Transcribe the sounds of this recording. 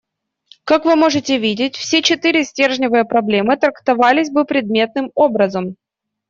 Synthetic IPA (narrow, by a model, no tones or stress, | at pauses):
kakvɨmo̞ʐɨtʲɪvʲidʲɪtʲfsʲet͡ɕɪt̪ɨɾʲɪsʲtʲe̞rʐnʲɪvɨjəpɾɐblʲe̞mɨt̪ɾəkt̪ɐvalʲɪsʲbɨpɾʲɪd̪̚mʲe̞t̪nɨmo̞bɾəzəm